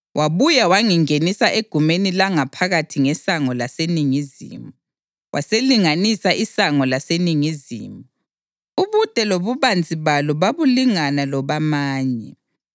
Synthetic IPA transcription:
wʔaβujawaŋiŋenisaʔeɡ̥ʱumenilaŋapʰaɣatʰiŋɛsaŋɔlaseniŋizḭmu | wʔaseliŋanisaʔisaŋɔlaseniŋizḭːmu | uβud̥ʼʱɛloβuβand͡zʱiβalɔβaβuliŋanalɔβamaːɲɛ

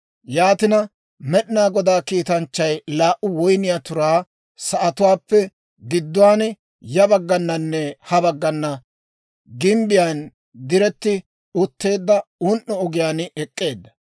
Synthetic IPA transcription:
jaːt̪ɪnɐ | mɛɗnaːɡɔd̪aːkiːt̪ɐnt͡ʃːɐjlaːʔʊwɔjnɪjaːt̪ʊɾaː | sɐʔɐt̪ʊwaːpːɛ | ɡɪd̪ːʊwaːn | jɐbɐɡːɐnːɐnːɛhɐbɐɡːɐnːɐ | ɡɪmbɪjan | d̪ɪɾɛt̪ːɪ | ʊt̪ːe̞ːd̪ːɐʊnʔːɔɔɡɪjaːnɛkʼːe̞ːd̪ːɐ̥

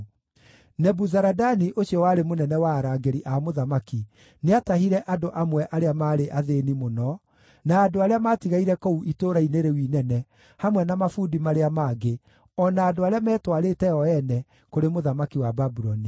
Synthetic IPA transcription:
nɛbuzaɾadaniʔoɕiɔwaɾemonɛnɛwaːɾaːɡeɾiʔamoðamaki | neatahiɾɛʔadoʔamwɛʔaɾeamaːɾeʔaðenimonɔ | naːdoaɾeamatiɣaiɾɛkɔuitoːɾaineɾewinɛnɛ | hamwɛnamafuːdimaɾeamaːɡe | ɔnaːdoaɾeamɛːtwaɾetɛɔɛnɛ | koɾemoðamakiwababuɾɔni

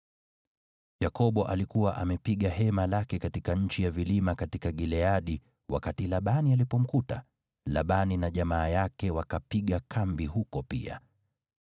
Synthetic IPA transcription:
jakɔɓɔʔalikuwaʔamɛpiɠaɦɛmalakɛkatikaɲ̩t͡ʃijavilimakatikaɠilɛaɗi | wa̰katilaɓanialipɔm̩kuta | laɓaninaʄamaːjakɛwakapiɠakʰambihukɔpḭa̰

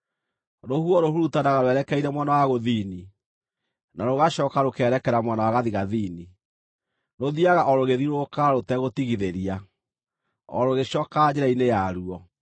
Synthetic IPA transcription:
ɾohuɔɾohuɾutanaɣaɾoɛɾɛkɛiɾɛmwanawaɣoðiːni | naɾoɣaʃɔːkaɾokeɛɾɛkɛɾamwanawaɣaðiɣaðiːni | ɾoðiaɣaʔɔɾoɣeðiɾokaɾotɛɣotiɣiðeɾia | ɔ̰ɾoɣeʃɔːkad͡ʑeɾainejaɾuɔ

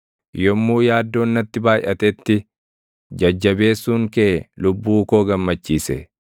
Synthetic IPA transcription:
jɔmːuːjaːd̪ːo̞ːnːɐt̪ːɪbaːjʔɐt̪ɛt̪ːɪ | d͡ʒɐd͡ʒːɐbe̞ːsːuːŋkɛlʊbːuːko̞ːɡɐmːɐt͡ʃːiːsɛ

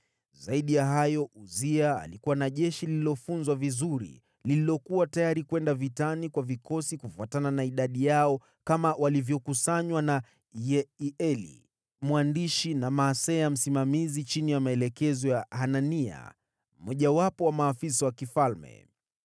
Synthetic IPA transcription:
zaiɗijaɦajɔʔuzia̰ːlikuwanaʄɛʃiliilɔfunzwavizuɾḭ | lililɔkuwatajaɾikwɛndavitanikwavikɔsikufuatananaiɗaɗijaɔ | kamawalivjɔkusaɲwana | jɛiɛlḭ | mwandiʃinamaːsɛam̩simamizit͡ʃinijamaɛlɛkɛzɔjahanania̰ | m̩mːɔʄawapɔwamaːfis̬awakifalmɛ̰

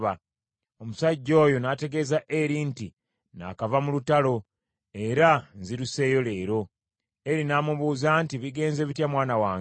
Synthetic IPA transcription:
βa | o̞musaɟːo̞ːjo̞naːte̞ɡe̞ːzaʔe̞ɾinti | na̰kavamulutalo̞ | e̞ɾanziɾuse̞ːjo̞le̞ːɾo̞ | e̞ɾinaːmuβuːzantiβiɡe̞ːnze̞ːβitjamwaːnawaːŋ

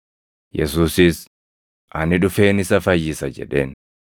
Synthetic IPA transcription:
jɛsuːsɪs | ʔɐ̰nɪᶑʊfe̞ːnɪsɐfɐjːɪsɐd͡ʒɛ̰ᶑe̞ːn

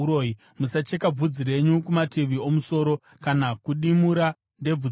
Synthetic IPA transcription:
oi | musat͡ʃe̞kab͡vud͡ziɾe̞ɲukumatiʋio̞muso̞ːɾo̞ | kanakuɗimuɾa | nde̞b͡vu

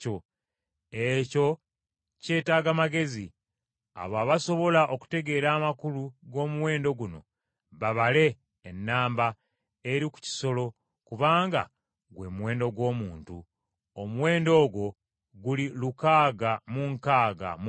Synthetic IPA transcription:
o | eco̞ | ce̞ːtaːɡamaɡe̞zi | a̰βaβaso̞βo̞laʔo̞ku̥te̞ɡe̞ːɾaːmakuluɡo̞ːmuwe̞ːndo̞ɡuno̞̰ | βaβale̞ː | nːaːmba | eɾiku̥ci̥so̞lo̞ | kuβaːŋɡa̰ | ɡwe̞ːmuwe̞ːndo̞ɡwo̞ːmuːntu | omuwe̞ːndo̞ːɡwo̞ | ɡulilukaːɡamuŋkaːɡa̰m

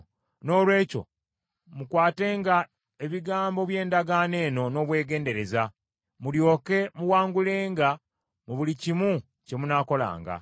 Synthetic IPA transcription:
no̞ːlwe̞ːco̞̰ | mukwaːte̞ːŋɡa | e̞βiɡaːmbo̞βje̞ːndaɡane̞ːno̞no̞ːβwe̞ːɡe̞ːnde̞ɾe̞za | muljo̞ːke̞muwaːŋɡule̞ːŋɡa | muβulicimu | ce̞munaːko̞la̰ːŋɡa̰

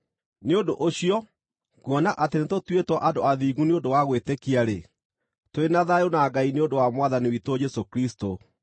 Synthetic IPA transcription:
neondoʔoɕiɔ | kwɔnaʔatenetotwetwɔʔadoaðiːɣuneondowaɣwetekiaɾe | toenaðajonaɡaineondowamwaðaniwitod͡ʒɛsokɾisto

